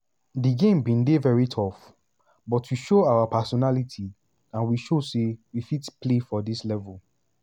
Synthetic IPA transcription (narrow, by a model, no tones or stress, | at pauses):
diɡẽmbĩndevɛɹitʰɔf | bɔtʰwiʃoawapasɔnalitʰi | ãnwiʃosewifitpʰlefɔdislɛvəl